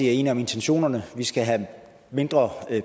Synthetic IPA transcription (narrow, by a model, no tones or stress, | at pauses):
iæɐe̝ːniɒ̽me̝nt͡sʰenɕo̝̰ːnɐnəʋisɡ̥æɦæ | me̝nd̥ʁɐ